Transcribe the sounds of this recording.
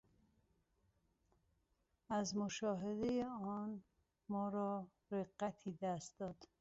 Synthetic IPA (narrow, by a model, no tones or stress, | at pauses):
æzmoʃɒːɦed̪ejeɒːn | mɒːɾɒː | ɾeɢːæt̪ʰiːd̪æst̪̚d̪ɒːd̪̥